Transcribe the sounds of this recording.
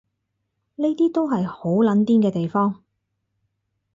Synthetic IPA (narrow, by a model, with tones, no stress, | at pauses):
ne˥jt̪iː˥t̪o˥wɦɐ˨jho˨˥wlɐ˨˥nt̪iː˥nkɛː˧t̪e˨jfɔː˥ŋ